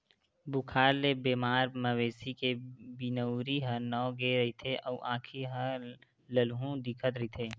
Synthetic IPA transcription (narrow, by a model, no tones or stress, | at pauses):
bʊkʰaːɾlebeːmaːɾməweːsikebinəʊɾiɦənɔːɡeɾɐɦit̪ʰeʔɔʔãːkʰiɦə | ləlɦũd̪ɪkʰət̪ɾəɦit̪ʰeː